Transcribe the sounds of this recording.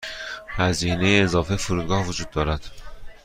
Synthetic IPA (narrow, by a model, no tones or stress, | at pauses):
hæziːne̞jeːzɒːfefoɾuːd̪̚ɡɒːhvod͡ʒuːd̪̚ːɒːɾæd̪̥